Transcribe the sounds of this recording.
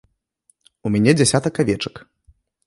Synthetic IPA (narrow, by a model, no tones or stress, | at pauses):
umʲanʲɛd͡zʲasʲat̪ɐkːavʲɛt͡ʂɐ̥k